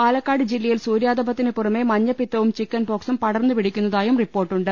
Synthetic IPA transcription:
aːlɐkːaːɽɨd͡ʑilːɐjilsuːɾjaːd̪ɐbɐt̪ːinɨpurɐmːe̞mɐɲːɐpːit̪ːɐʋumt͡ɕikːɐnbo̞ːksumpɐɽɐrnːɨpiɽikʲːunːɐðaːjumripːo̞ːrʈːuɳɖɨ

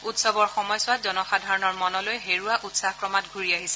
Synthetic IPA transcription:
utsɔbɔɹxɔmɔjsʊazɔnɔxadʱaɹɔnɔɹmɔnɔlojɦeɹuaʔutsakɹɔmatɡʱuɹiaɦisɛ̥

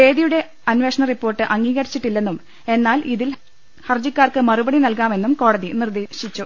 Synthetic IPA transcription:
t̪e̞ːðijuɽe̞ | ɐnʋeːʂɐɳɐripːo̞ːrʈːɨʔɐŋːiːɣɐɾit͡ɕːiʈːilːe̞nːum | e̞nːaːlʔiðil | hɐrd͡ʑikʲːaːrkɨmɐrubɐɽinɐlkaːme̞nːumko̞ːɽɐðinird̪ːeːɕit͡ɕːu

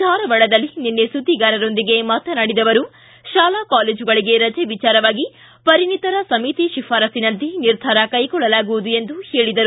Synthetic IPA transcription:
aːɾɐʋɐɽɐd̪ɐlːininːesut̪iɡaːɾɐɾond̪iɡe̞maːt̪ɐnaɽid̪ɐʋɐɾu | ʃaːlaːkaːleːd͡ʒuɡɐɭiɡe̞ɾɐd͡ʒɛʋit͡ʃaːɾɐʋaːɡi | pɐɾinit̪ɐɾɐsɐmit̪iʃifʰaːɾɐsinɐnt̪iniɾd̪ʱaːɾɐkɐjkɔɭːɐlaːɡuʋud̪ue̞nd̪uhe̞ːɭid̪ɐɾu

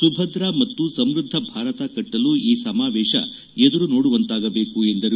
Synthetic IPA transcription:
subʱɐd̪ɾamɐt̪ːusɐmɾud̪ʱːɐbʱaːɾɐt̪ɐkɐʈːɐluiːsɐmaːʋɛːʃɐ̰ | ed̪ɐɾunoːɽuʋɐnt̪aːɡɐbe̞ːkue̞nd̪ɐɾu

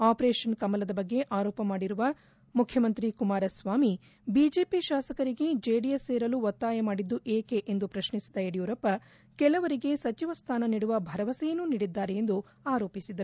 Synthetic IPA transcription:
aːpɾeːʃɐnkɐmɐlɐd̪ɐbɐɡːe̞ʔaːɾoːpɐmaːɽiɾuʋɐ | mukʰjɐmɐnt̪ɾikumaːɾɐsʋaːmi | bid͡ʒe̞ːpiʃaːsɐkɐɾiɡe̞d͡ʒeːɖijeseːɾɐluʋɐt̪ːaːjɐmaːɽid̪ːuʔeːkeʔend̪upɾɐʃnisid̪ɐeɽijuːɾɐpːɐ | kɛlɐʋɐɾiɡe̞sɐt͡ʃiʋɐst̪ʰaːnɐniːɽuʋɐbʱɐɾɐʋɐsɛjɐnːuːniːɽid̪ːaːɾejend̪u | aːɾoːpisid̪ɐɾ

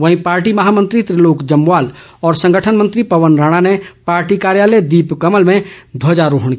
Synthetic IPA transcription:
ʋəɦĩpaːɾʈiməɦamə̃nt̪ɾit̪ɾiloːkd͡ʒəmʋaːl | ɔːɾsə̃ŋɡəʈʰənmə̃nt̪ɾipəʋənɾaːɽ̃anepaːɾʈikaːɾjaːled̪iːpkəməlmẽd̪ʱod͡ʒaɾoːɦəɳk

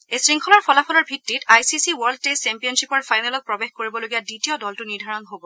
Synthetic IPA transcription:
ejsɹiŋkʰɔlɔɹpʰɔlapʰɔlɔɹbʱitːitajsisiwɔɹld̚test͡ʃɛmpiɔnsipɔɹfajnalɔk̚pɹɔbexkoɹibɔloɡijaditiɔdɔltʊniɹdʱaɹɔnɦobɔ

